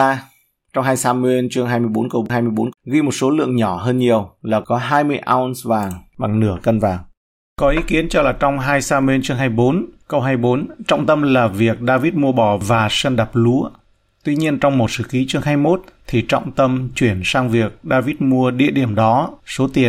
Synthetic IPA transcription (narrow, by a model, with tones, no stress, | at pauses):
aː˧ | t͡ɕɔ˧wŋ͡mɦaː˧jsaː˧mwe˧nt͡ɕɨ˧əŋɦaː˧jmɨ˧jɓo˨˦nkə˧wɦaː˧jmɨ˧əjɓo˨˦nɣi˧mo˨˩t̚so˨˦lɨ̰˧˨əŋɲɔ˧˩ɦəː˧nɲi˨˩əwlaː˨˩kɔ˨˦ɦaː˧jmɨ˧əjʔa̰ː˧nsvaː˨˩ŋɓa˨˩ŋnɨ˧˩əkə˧nvaː˨˩ŋ | kɔ˨˦ʔi˨˦ki˨˦ənt͡ɕɔ˧laː˨˩t͡ɕɔ˧wŋ͡mɦaː˧jsaː˧mwe˧nt͡ɕɨ˧əŋɦaː˧jɓo˨˦nkə˧wɦaː˧jɓo˨˦nt͡ɕɔ̰˧˨wŋ͡mt̪ə˧mlaː˨˩vi˨˩ək̚ɗaː˧vi˦˥t̚mu˧əɓɔ˧˨˩vaː˨˩sə˧nɗa˨˩p̚lu˨˦ə | t̪wi˧ɲi˧ənt͡ɕɔ˧wŋ͡mmo˨˩t̚sɨ̰˧˩ki˨˦t͡ɕɨ˧əŋɦaː˧jmo˦˥t̚t̪ʰi˨˩t͡ɕɔ̰˧˨wŋ͡mt̪ə˧mt͡ɕwi˧˩ənsaː˧ŋvi˨˩ək̚ɗaː˧vi˦˥t̚mu˧əɗḭ˧˨əɗi˧˩əmɗɔ˨˦so˨˦t̪i˨˩ən